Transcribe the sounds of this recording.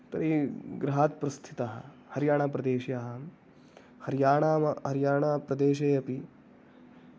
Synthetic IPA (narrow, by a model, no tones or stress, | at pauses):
t̪ɐɾiɡɾɦaːt̪̚pɾɐst̪ʰi̥t̪ɐɦɐ̰ | hɐɾjaːɳaːp̬ɾɐd̪eːʃjaɦɐm | hɐɾjaːɳaːmɐhɐɾjaːɳaːpɾɐd̪eːʃeːjɐpi